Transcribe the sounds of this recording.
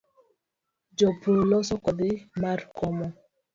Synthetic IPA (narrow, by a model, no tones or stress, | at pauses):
d͡ʒɔpɾolɔsɔkɔd̪ɪmarkɔmɔ